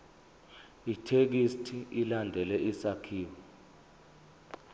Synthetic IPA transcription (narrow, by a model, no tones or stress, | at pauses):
itʰek̬istʰiilandʱɛlɛʔisakʰiːwɔ